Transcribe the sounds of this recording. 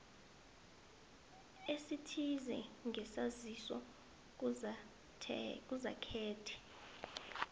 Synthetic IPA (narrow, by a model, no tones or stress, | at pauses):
esitʰizɛ̰ŋɛsazisɔ̰ | k̬ʼuza̰kʰɛːtʰɛ̥